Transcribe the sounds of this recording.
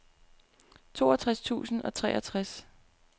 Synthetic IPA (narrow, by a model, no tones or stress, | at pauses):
t͡sʰo̝̰ːɒt͡sʰʁast͡sʰṵːsn̩ɒ̽t͡sʰʁɛ̰ːɒt͡sʰʁas